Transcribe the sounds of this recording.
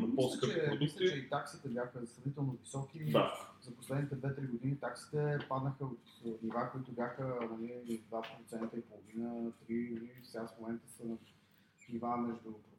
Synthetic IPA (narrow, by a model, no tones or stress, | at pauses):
nompɔsskəɾt͡ʃɛmislʲt͡ʃɛit̪aksit̪ɛbʲjaxəsɾɐvnit̪ɛlˠnovisɔkid̪azɐposlɛd̪nit̪ɛd̪vɛt̪ɾiɡʊd̪init̪aksi̥t̪ɛpad̪nəxəot̪nivakoit̪ʊbjaxəmɐlid̪vapɾot̪sɛnt̪əipolˠovinət̪ɾimɐlifsɛɡasfmomɛnt̪əsə | nivamɛʒd̪ʊ